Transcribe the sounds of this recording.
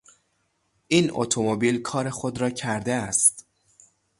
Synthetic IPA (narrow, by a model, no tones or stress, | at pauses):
ʔiːno̰t̪ʰomobiːlkʰɒːɾe̞xo̞d̪ɾɒːcʰæɾd̪eæst̪